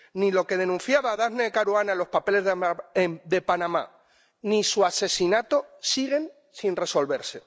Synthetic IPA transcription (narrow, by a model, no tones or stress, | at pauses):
nilo̞ke̞ð̞e̞nũn̟θjaβaðaɣnekaɾuanalo̞spape̞leð | d̪e̞panãma̰ | nisuase̞sinat̪o̞siɣ̞e̞n | sinre̞so̞lβe̞ɾse̞